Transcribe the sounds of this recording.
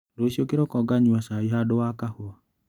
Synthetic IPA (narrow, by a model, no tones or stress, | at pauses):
dosiokeɾɔkɔɡaɲuasaiɦadowakahoa